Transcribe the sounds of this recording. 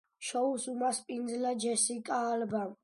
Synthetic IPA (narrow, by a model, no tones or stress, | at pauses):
ʃɔusumaspʼind̪zlad͡ʒɛsikʼaːlba